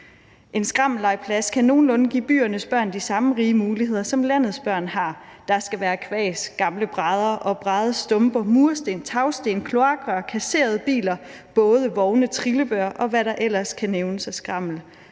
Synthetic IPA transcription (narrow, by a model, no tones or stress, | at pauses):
ʔe̝nsɡ̥ʁɑ̈ml̩ɑ̈ɪ̰pʰlæskʰæno̝ːn̩ɔ̽nɡ̥ḭːb̥y̰ːɐnəsb̥ɶɐ̰nd̥isɑ̈məʁiːəmuːlihe̝ð̞̰ˠɐsɒ̽mlæn̰ð̞̩ˠsb̥ɶɐ̰nhɑ̈ | d̥ɑ̈sɡ̥æʋæːɐkʰʋɛ̰ːsɡ̥ɑ̈mləb̥ʁɑð̞ˠɐʔɒ̽b̥ʁɑðˠsd̥ɔ̽mb̥ɐmuɐsd̥e̝̰ːnt͡sʰɑ̈ʊsd̥e̝̰ːnkʰlo̝ɑ̈ːɡ̥ʁɑkʰæse̝̰ːɐð̞̩ˠəb̥ḭːlɐ | b̥ɔ̽ːð̞ˠəʋɒʊnət͡sʰʁiləb̥ɶɐ̰ʔɒ̽ʋæɾɑ̈ʔel̰ɐskʰæneʊnəsæsɡ̥ʁɑ̈m̰l̩